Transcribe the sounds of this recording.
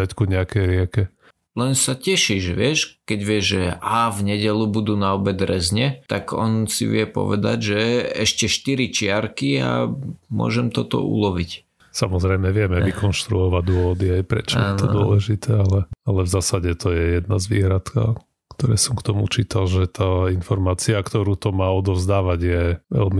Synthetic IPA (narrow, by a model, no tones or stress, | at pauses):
ackuɲɛakɛjɾɪɛkɛ | lɛnsacɛʃiʒʋɪɛʃkɛɟʋɪɛʒʒɛavɲɛɟɛlubud̪uːnaɔbɛd̪ɾɛzɲɛt̪aɡɔnsḭʋɪɛpɔ̰ʋɛ̰d̪a̰ɟʒɛɛʃcɛʃt̪iɾit͡ʃɪaɾkia̰mʊɔ̰ʒɛmt̪ɔt̪ɔ̰ʔṵlɔʋic | samɔzɾɛjmɛʋɪɛmɛʋikɔnʃt̪ɾuɔʋad̪ʊɔʋɔd̪iajpɾɛ̰t͡ʃɔaɛnɔd̪ʊɔɔ̰lɛʒit̪ʰɛalɛalɛvzaːsaɟɛt̪ɔjɛjɛd̪nazʋḭːɦɾat̪ka̰ | kt̪ɔɾɛ̰ːsɔmkt̪ɔmṵt͡ʃiːt̪alʒɛt̪ʰaːinfɔɾmaːt͡siakt̪ɔɾuːt̪ɔmaːɔd̪ɔvzd̪aːʋaɟjɛʋɛ̰lmi